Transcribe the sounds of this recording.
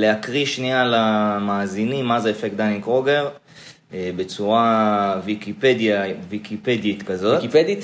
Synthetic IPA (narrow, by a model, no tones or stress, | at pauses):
leakʁiʃnialamaːzinimːazeefekd̪anikʁoɡeʁ | be̞t͡suʁavikiped̪javikipedit̪kazo̞tied̪it̪